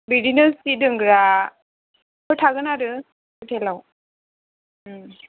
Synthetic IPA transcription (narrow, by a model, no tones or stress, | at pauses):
bidinɯsidɯŋɡɾa | kʰɔjtʰaɡɯnaɾɯ | kʰɔjtʰelaw